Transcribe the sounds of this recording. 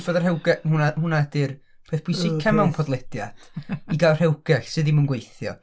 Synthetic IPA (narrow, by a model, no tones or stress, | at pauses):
vəðər̥hɛwɡɛhunahuːnadɪr | pʰeːθb̥ʰʊjsɪkʰamɛwnpʰɔdlˠɛd̥ja̰d̥iɡarhɛwɡ̥ɛɬsɨðimunɡwejθjɔ̰